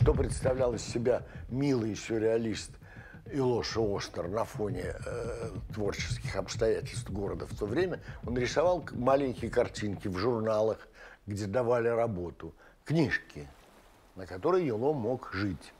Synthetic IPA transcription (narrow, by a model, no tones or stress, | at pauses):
ʂt̪o̞pɾʲɪt̪st̪ɐvlʲælˠəsʲːɪbʲamʲilˠɨjsʲʊɾʲɪɐlʲist̪ | ɪlˠo̞ʂost̪ərnɐfo̞nʲɪ | t̪vo̞rt͡ɕɪ̥skʲɪxɐpst̪ɐjætʲɪlʲst̪vɡo̞ɾəd̪əft̪ovɾʲemʲəo̞nɾʲɪsɐvɑlˠmalʲɪnʲkʲɪjəkɐrtʲinkʲɪvʐʊrnalˠəxɡdʲe̞d̪ɐvalʲɪɾɐbo̞t̪ʊ | knʲiʂkʲʰɪ | nəkɐt̪o̞ɾəjjɪlˠomo̞kʐɨtʲ